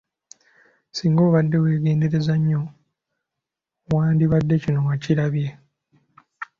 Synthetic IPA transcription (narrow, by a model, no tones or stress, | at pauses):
siːŋɡo̞ːβadːe̞we̞ːɡe̞ːnde̞ɾe̞zaɲːo̞ | waːndiβadːe̞cino̞ŋaciɾaβje̞